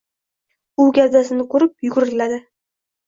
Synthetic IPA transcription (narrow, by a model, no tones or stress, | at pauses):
ʊɡʲaɾd̪asɪnɪqʰʊɾɪp̚jʊɡʊɾɪlad̪ɪ